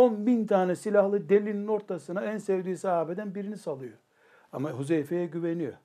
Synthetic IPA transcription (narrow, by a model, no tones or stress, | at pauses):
onbint̪ʰaːnɛsilʲahlˠɯd̪elʲinino̞ɾt̪ʰasɯnaænsevd̪iːsiaːbed̪ænbiɾinisalˠɯjo | amaɦuzejfejɛɟyvenijo̰